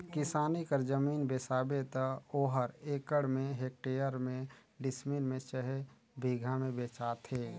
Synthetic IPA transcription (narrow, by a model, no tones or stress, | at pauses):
kɪsaːnikəɾd͡ʒəmiːnbesaːbet̪əoːɦəɾeːkəɽmẽɦeːk̚ʈeːjəɾmẽ | ɖɪsminmẽt͡ʃəɦɛ | bʱiːɡʱamẽbeːt͡ʃaːt̪ʰɦeː